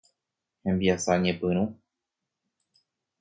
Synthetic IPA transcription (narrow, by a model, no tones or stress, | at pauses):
hẽ̞mbiasaɲẽpɨ̃ɾ̃ũ